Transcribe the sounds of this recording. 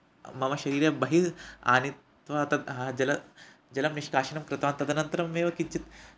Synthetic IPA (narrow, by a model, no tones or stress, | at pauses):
mɐmɐʃɐɾiːɾjɐbɐɦia̰ːnit̪ | ʋɐɐt̪ɐɦad͡ʒɐlɐ | d͡ʒɐlɐmniʃkaːʃɐnɐmkɾɪt̪ʋaːnt̪ɐd̪ʱɐnɐnt̪ɐɾɐmːeːʋɐkit͡ʃit̪